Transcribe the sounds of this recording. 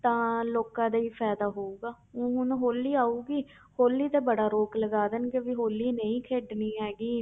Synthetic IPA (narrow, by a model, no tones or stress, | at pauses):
t̪ãːloːkãːd̪aiːpʰɛːd̪aːɦoːuːɡaː | õːɦʊnɦoːlːiːaːuːɡiː | hoːlːiːt̪eːbəɽaːɾoːkləɡaːd̪ənkeʋiɦoːlːiːnəĩːkʰeːɖniːɦɛːɡiː